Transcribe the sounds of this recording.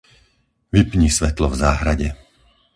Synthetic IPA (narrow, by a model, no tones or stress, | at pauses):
ʋipɲiːsʋɛt̪lɔvzaːɦɾaɟɛ